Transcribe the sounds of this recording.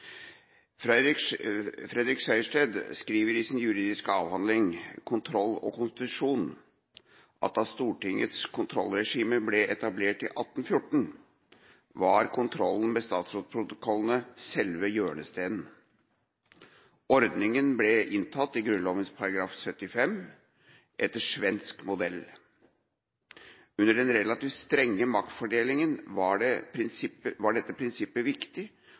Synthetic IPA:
fɾɛd̪ɾɪksæɪʂʈeːd̪skɾiːʋəɾɪsnjʉɾiːd̪ɪskɑːʋhɑnd̪lɪŋkʰʊnt̪ʰɾɔlːɔ̰kʊnst̪ɪt̪ʉʂuːn | ʔɑ̰t̪ɑst̪uːʈɪŋə̰t̪skʰʊnt̪ʰɾɔ̰lːɾɛʂiːməblɛʔɛt̪ɑbleːʈɪ̰ʔɑt̪ːn̩fjʊʈːɳ̩ | ʋɑɾkʰʊnt̪ʰɾɔln̩mɛst̪ɑːt̪sɾoːd̪̚pʰɾʊt̪ʊkʰɔlːənəsɛlʋəjøːɳəst̪eːd̪n̩ | ɔɾd̪nɪŋənblɛʔɪnt̪ʰɑt̪ːɪɡɾʉnlɔːʋənspʰɑɾɑɡɾɑːfsœt̪ːɪfɛm | ʔɛt̪ːəʂʋɛnskmʊd̪ɛlː | ʉnːəɖɛnɾɛlɑt̪iːft̪st̪ɾɛŋːəmɑkt̪fɔɖeːlɪŋənʋɑɖɛpʰɾɪnsɪpːəʋɑɖɛt̪ːəpʰɾɪnsɪpːəʋɪkt̪ɪ

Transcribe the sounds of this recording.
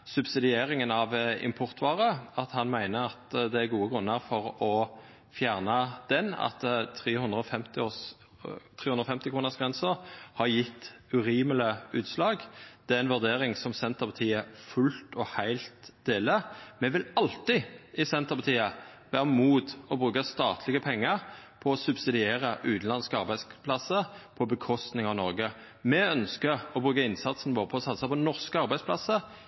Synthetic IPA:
sʉbsɪd̪ɪeːɾɪŋənɑʋɪ̰mpʰɔʁt̪ʋɑːʁəɑt̪hɑnmæɪnəɑt̪d̪ɛæɾɡuːəɡʁʉnːəʁfɔʁɔ | fjæːʁnəd̪̥ɛnːɑ̰t̪t̪ʰʁeːhʉnd̪ʁəɔfɛmt̪ɪ | t̪ʰɾeːʉnʁɔfɛmt̪ɪkʰɾuːnəʁsɡʁɛnsəʁhɑɾjɪt̪ːʉɾiːmələʉːt̪slɑːɡd̪̥ɛæɾɛnʋʉʁd̪eːɾɪŋsɔmsɛnt̪əpʰɑt̪ʰiːəfʉlt̪ɔhæɪlt̪d̪̥eːləmɛʋɪlɑlt̪ɪɪsɛnt̪əʁpɑt̪ʰiːə | ʋæːʁəmuːt̪ɔbʁʉːkəst̪ɑːt̪ʰlɪɡəpʰɛŋːəʁpʰɔɔsʉbsɪd̪ɪeːʁəʔʉːt̪n̩lɑnskəɑʁbæɪspʰlɑsəpʰɔbəkʰɔst̪nɪŋɑʋnɔʁɡə | mɛœnskəʁɔbʁʉːkəɪnsɑt̪sn̩ʋoːʁəpʰɔːsɑt̪ːsɑpɔnɔʁskəɑʁbæɪsplɑ̰sə

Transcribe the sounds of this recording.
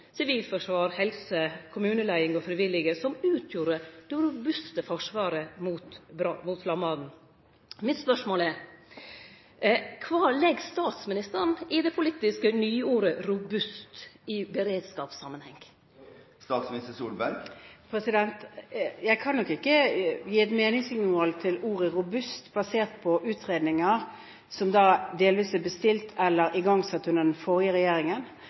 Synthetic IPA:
sɪʋiːlfɔʂʋɑːɾhɛlsəkʰʊmʉːnəlæɪɪŋɔfɾɪʋɪlːɪɡəsɔmʉːt̪ʰjuːɾəd̪̥ɛɾʊbʉst̪əfɔʂʋɑːɾəmuːt̪bɾɑmʊt̪flɑmɑd̪n̩ | mɪt̪spœʂmoːlɛɾ | kʰʋɑːlɛɡst̪ɑːt̪smɪnɪst̪ənʔɪd̪ɛpʰʊlɪt̪ːɪskənyːuːɾəɾʊbʉst̪ɪbəɾeːd̪skɑːpsɑ̰mənhɛ̰ŋ | st̪ɑːt̪smɪnɪst̪əsuːlbæɾɡpʰɾɛsɪd̪ɛnt̪jæɪkʰɑnːɔkːɪkːəjiːɛt̪meːnɪŋsɪŋmɔːlt̪ʰɪluːʁəɾʊbʉst̪bɑseːʁt̪̚pʰɔʔʉːt̪ʁeːd̪nɪŋəʁ | sɔmd̪ɑːd̪eːlʋiːsæbəst̪ɪlt̪ʰɛlːəɾɪɡɑŋːsɛt̪ːhʉnəʁd̪ɛnfɔʁjəɾɛjeːɾɪŋən

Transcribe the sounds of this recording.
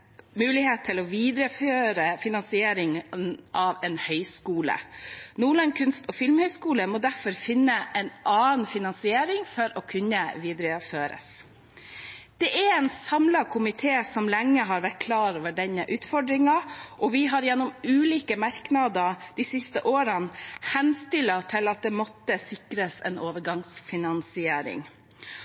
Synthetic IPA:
mʉːlɪheːt̪t̪ʰːɪlɔʋiːd̪ɾəføːɾəfɪnɑnsɪeːɾɪŋnʔɑʋɛːnhœʏskuːlə̰nuːɭɑnkʰʉnst̪ɔːfɪlmhœʏskuːləmoːd̪æɾfɔɾfɪnːəʔɛnʔɑːnfɪnɑnsɪeːɾɪŋfɔɾɔkʰʉnːəʋiːd̪ɾəføːɾə̰s | d̪̥ɛʔæɾɛnsɑmlɑkʰʊmɪt̪ʰeːsɔmlɛŋːəɦɑɾʋæʈ̚kʰlɑːɾoːʋəɖɛnːəʔʉːt̪fɔɖɾɪŋɑʔɔʋɪɦɑɾjɛnːɔmʉːliːkəmɑɾknɑd̪əd̪isɪst̪əʔoːɾɑnhɛnst̪ɪlɑt̪ʰɪlɑt̪̚d̪ɛːmɔt̪ːəsɪkɾəsɛ̰noːʋəɾɡɑŋsfɪnɑnsɪeːɾɪ̰ŋ

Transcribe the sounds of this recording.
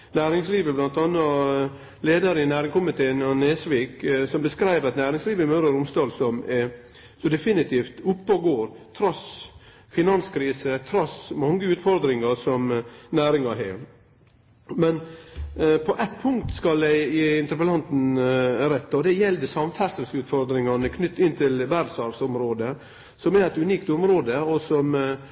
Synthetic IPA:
næːɾɪŋsliːʋəblɑnt̪ɑnːɑ | leːd̪əɾəɪnæːɾɪŋkʊmɪt̪ʰeːənɑneːsʋiːksɔmbəskɾæɪʋəɾɑt̪næːɾɪŋsliːʋəɪmœɾəɾʊmst̪ɑːlsɔmɛ | sɔd̪ɛfɪnɪt̪ʰiːft̪ʊpːəɡoːɾt̪ʰɾɑs | fɪnɑnskʰɾiːsət̪ʰɾɑsmɑŋːəʉːt̪fɔɾd̪ɾɪŋɑɾsɔmnæːɾɪŋɑɦɛː | mɛn | pʰɔʔɛt̪pʰʊŋkt̪skɑld̪æɪiɪnt̪əɾpəlɑnt̪n̩ɾɛt̪ːɑɔd̪ɛjɛld̪əsɑmfæɾsəlsʉːt̪fɔɾd̪ɾɪŋɑɳəkʰnʏt̪ːɪnt̪ʰɪlʋæɾd̪sɑɾsɔmɾoːd̪ə | sɔmɛɾɛt̪ʉniːkt̪ʊmɾoːd̪əɔsɔm

